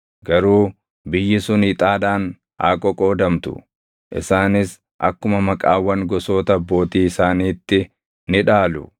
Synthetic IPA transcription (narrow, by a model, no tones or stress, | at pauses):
ɡɐɾuː | bɪjːɪsʊnɪt̪ʼaːᶑaːn | ʔa̰ːkʼɔkʼo̞ːd̪ɐmt̪ʊ̰ | ʔɪ̰saːnɪs | ʔɐ̰kːʊmɐmɐkʼaːwːɐŋɡɔso̞ːt̪ɐbːo̞ːt̪iːɪsaːniːt̪ːɪ | nɪᶑaːlʊ̰